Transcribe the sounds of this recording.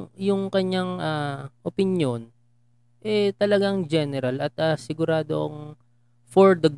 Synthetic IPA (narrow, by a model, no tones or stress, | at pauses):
jʊŋkɐɲaŋʔaʔopɪnjo̞n | ʔɛt̪ɐlɐɡaŋd͡ʒɛnɛɾɐlɐt̪̚ʔasɪɡʊɾaːd̪o̰ʔɐŋ | foɹd̪ɐɡ